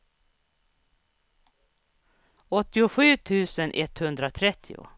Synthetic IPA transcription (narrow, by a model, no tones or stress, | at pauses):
ɔt̪ːɪʊɧʉ̟ːt̪ʰʉ̟ːsənʔɛt̪hɵnd̪ɾat̪ʰɾɛt̪ʰːɪʊ̰